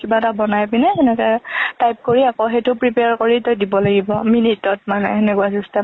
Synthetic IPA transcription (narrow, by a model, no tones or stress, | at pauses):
kibatabɔnajpinɛɛnɛkɛtajp̚koɹiakoɦetʊpɹipeaɹkoɹitɔjdibɔlaɡibɔminitɔt̚manɛ̰ɛnɛkuazusta